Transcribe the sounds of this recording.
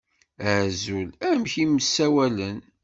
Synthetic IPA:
æʕzulæmçiməsːæwælən

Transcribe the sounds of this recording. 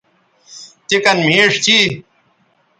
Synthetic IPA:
t̪ikɐnmiːʂt͡ɕi

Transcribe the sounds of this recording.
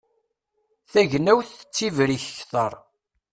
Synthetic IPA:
θæʝnæwθə̥t͡sːivɾiçəçθəɾˤ

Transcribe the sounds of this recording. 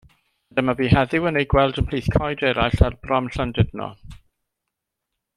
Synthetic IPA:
dɛmabiːɦɛðɪwənejɡwɛlˠdəpʰl̥iːθkʰɔjdɛɾajɬarbrɔmɬəndɪdnɔ̰

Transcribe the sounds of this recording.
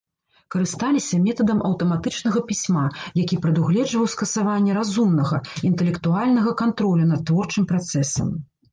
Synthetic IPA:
kɐɾɨst̪alʲisʲɐmʲɛt̪ɐd̪ɐmɐ̰wt̪ɐmat̪ɨt͡ʂnɐɣɐpʲisʲmajakʲipɾɛd̪uɣlʲɛd͡ʐvɐwskɐsavanʲːɛɾazumnɐɣɐint̪ɛlʲɛkt̪ualʲnɐɣɐkant̪ɾɔlʲunɐt̪̚ːvɔrt͡ʂɨmpɾat̪sɛsɐ̰m

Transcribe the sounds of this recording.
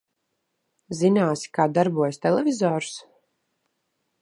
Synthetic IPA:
zinaːsi̥kaːd̪aɾbuɔjst̪ɛlɛvʲizɔːɾu̥s

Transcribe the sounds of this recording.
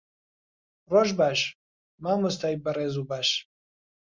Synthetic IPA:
roʒbaːʃ | maːmust̪ʰaːjbɐreːzubaːʃ

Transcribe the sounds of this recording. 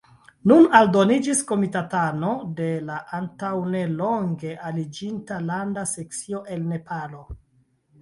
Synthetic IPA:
nunaldo̞nid͡ʒisko̞mitatano̞de̞laʔantawnelo̞ŋɡe̞ʔalid͡ʒintalandase̞k̚t͡sio̞ʔe̞lne̞pʰalo̞

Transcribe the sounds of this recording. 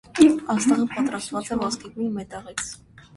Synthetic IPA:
ɑst̪ɛʁimpɑt̪ɾɑst̪vɑt͡sɛvɔskibmimɛt̪ɑʁit͡sʰ

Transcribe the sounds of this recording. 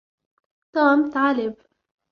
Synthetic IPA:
t̪aːmt̪ʕalɪb

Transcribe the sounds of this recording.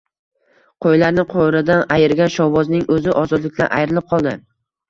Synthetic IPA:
qʰojlaɾnɪqʰoɾɪd̪anajɪɾɡʲanʃɒwɒznɪŋɵzɪʔɒzɒd̪lɪk̚ʲla̰nʔa̰jɾɪlɪp̚qʰɒlˠd̪ɪ̰

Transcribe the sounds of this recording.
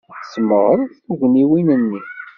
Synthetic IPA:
sməʁəɾθθuʝniwinənːi

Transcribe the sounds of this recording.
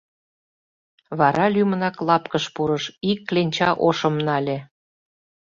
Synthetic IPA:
βɑɾɑlʲymənɑklɑpkəʃpuɾəʃikːlenʲt͡ɕɑʔoʃə̆mnɑlʲĕ

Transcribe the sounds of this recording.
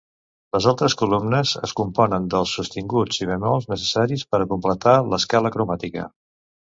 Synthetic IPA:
ləzalˠt̪ɾəskulumnəzə̰skumpɔnənd̪əlˠsːust̪iŋɡud͡ziβəmɔlˠznəsə̥saɾispəɾəkumplət̪aləskaləkɾumat̪ikə̰

